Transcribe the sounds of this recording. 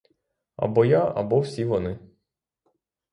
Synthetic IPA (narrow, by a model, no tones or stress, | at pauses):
ɐ̰bɔjaɐ̰bɔwsʲiʋɔnɪ